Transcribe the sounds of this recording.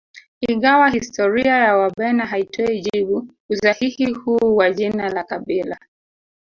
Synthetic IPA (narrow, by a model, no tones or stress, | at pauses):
iŋɡawahistɔɾiajawaɓɛnaɦaitʰɔiʄiɓu | usahihihuːwaʄinalakaɓila